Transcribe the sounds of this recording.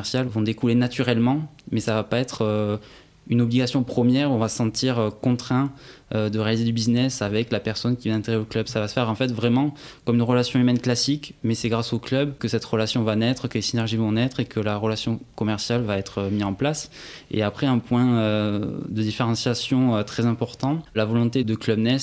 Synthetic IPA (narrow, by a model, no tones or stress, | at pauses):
ɛʁsjalvɔ̃d̪ekulenat̪yʁɛlmɑ̃mɛsavapaɛt̪χø | ynɔbliɡasjɔ̃pχɔmjɛʁɔ̃vasə̥sɑ̃t̪iʁøkɔ̃t̪χɛ̃ød̪əʁealized̪ybiznɛsavɛklapɛʁsɔnkʲivaɛ̃t̪eɡʁeoklœbsavasə̥fɛʁɑ̃fɛt̪vʁɛmɑ̃kɔmynʁəlasjɔ̃ymɛnklasikmɛsɛɡʁasoklœbkəsɛt̪ʁəlasjɔ̃vanɛt̪χəkəlesinɛʁʒivɔ̃nɛt̪χekʰəlaʁəlasjɔ̃kɔmɛʁsjalvaɛt̪χəmiɑ̃plasḛapχɛɛ̃pwɛ̃ød̪əd̪ifeʁɑ̃sjasjɔ̃øt̪χɛzɛ̃pɔʁt̪ɑ̃lavɔlɔ̃t̪ed̪əklœbnɛs